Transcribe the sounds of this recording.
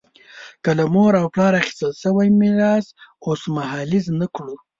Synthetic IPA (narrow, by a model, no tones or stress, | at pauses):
kəlamoɾawplɑɾaχi̥st̪əlʃəwajmɪɾɑsosmahɑliznakɽu